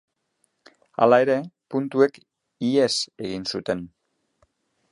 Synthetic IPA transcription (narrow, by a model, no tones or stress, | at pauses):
a̰lae̞ɾe̞punt̪ue̞k | iese̞ɣ̞insut̪e̞n